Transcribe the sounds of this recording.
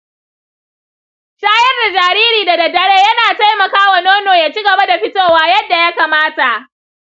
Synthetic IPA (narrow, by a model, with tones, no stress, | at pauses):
ʃaː˦jɐ˦rda˨d͡ʒaː˨ɾiː˦ɾiː˨da˨dɐ˨dːɐ˨ɽeː˦jɐ˦naː˨ta˦jmɐ˨kaː˦wa˨noː˦noː˨jaː˨t͡ʃi˦ɡɐ˨ba˦da˨ɸɪ˦toː˦˨waː˦jɐ˦dːa˨ja˦kaː˨maː˦ta˨ʔ